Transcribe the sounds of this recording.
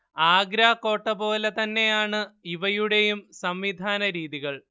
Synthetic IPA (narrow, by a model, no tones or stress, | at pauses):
aːɡɾaːko̞ːʈːɐpo̞ːlet̪ɐnːe̞jaːɳɨiʋɐjuɽe̞jumsɐmʋid̪ʱaːnɐɾiːðiɣɐɭ